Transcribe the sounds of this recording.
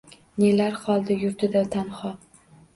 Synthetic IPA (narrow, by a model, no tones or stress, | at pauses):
nelaɾχɒlˠd̪ajʊɾt̪ʰɪd̪at̪ʰanχɒ